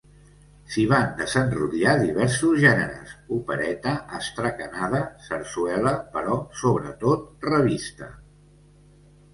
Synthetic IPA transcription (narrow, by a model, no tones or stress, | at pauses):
siβand̪əzənrṵðiaðiβɛɾsuzʒɛnə̰ɾə̰supəɾɛt̪əʔəst̪ɾəkənaðəsəɾsuɛləpəɾɔsoβɾə̰t̪ot̪̚rəβist̪ə̰